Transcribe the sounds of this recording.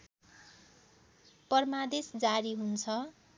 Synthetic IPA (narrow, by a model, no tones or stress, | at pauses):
pʌrmad̪esd͡zaɾiɦunt͡sʰʌ